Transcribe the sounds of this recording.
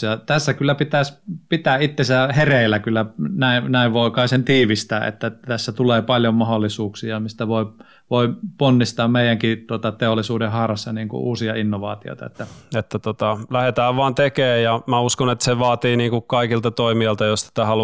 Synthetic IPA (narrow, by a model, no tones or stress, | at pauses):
jɑt̪æsːækylːæpit̪æspit̪æʔit̪ːesæhereˑilækylːænæˑinæˑiʋʋoˑikɑˑisent̪iːʋist̪æːʔḛt̪ːæt̪æsːæt̪uleːpɑljommɑholːisuːksiɑmist̪æʋoˑi | ʋoˑiponːist̪ɑːmmeˑijˑæŋkit̪uot̪ɑt̪eolːˑisuːdehɑhrɑsːɑniːŋkṵʔuːsiɑinːoʋɑ̰ːt̪io̰it̪ɑ̰ḛt̪ːæet̪ːæt̪ot̪ɑlæhet̪æːʋʋɑːnt̪ekeːjjɑmæuskonet̪ːseʋɑːt̪iːniːŋkukkɑikilt̪ɑt̪oimiɑlt̪ɑjost̪i̥t̪æhɑlu